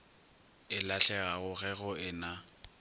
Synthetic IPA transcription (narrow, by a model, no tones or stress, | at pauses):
ɪlaɬɛɣaɣʊɣɛɣʊɪna